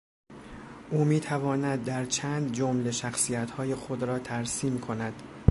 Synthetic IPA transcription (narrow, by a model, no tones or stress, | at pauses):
ʔuːmiːt̪ʰævɒːnæd̪ːæɾt͡ʃʰæːnd̪d͡ʒomle̞ʃæxsiːjæt̪hɒːje̞xo̞d̪ɾɒːt̪ʰæɾsiːmkʰo̞næd̪̥